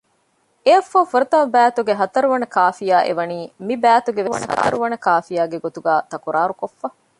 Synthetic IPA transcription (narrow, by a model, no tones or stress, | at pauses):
eɐfːɐfuɾɐt̪ɐmɐbæːt̪uɡeɦɐt̪ɐɾuʋɐnɐkaːfijaːʔḛʋɐniːmibæːt̪uɡeʋʋɐ̰nɐhɐ̰t̪ɐɾuʋɐnɐkaːfijaːɡeɡot̪uɡaːt̪ɐkuɾaːɾukofːɐ